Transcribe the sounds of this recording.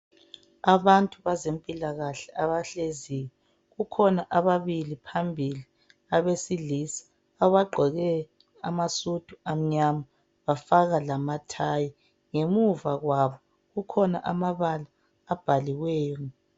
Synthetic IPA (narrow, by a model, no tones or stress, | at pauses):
aβantʼuβazempʼilaɣaɬɛʔaβaɬezijɛ | ɣukʰɔnaʔaβaβilipʰambʱili | aβesilisḁ | aβaɡ͡ǃʱɔɣɛ | amasud̥ʱuam̩ɲama | βafaɣalamatʰaji | ŋemuvaɣwaβɔ | ɣukʰɔnaʔamaβalaː | b̥ʱaliwɛːjɔ